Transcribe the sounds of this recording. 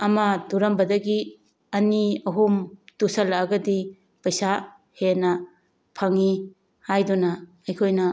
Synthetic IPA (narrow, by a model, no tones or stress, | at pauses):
ɐmɐduɾɐmbɐdɐɡi | ɐniɐɦumdusɐlaːɡɐdi | pɐjsa | henɐ | pʰɐŋi | hajdunɐ | ɐjkʰojnɐ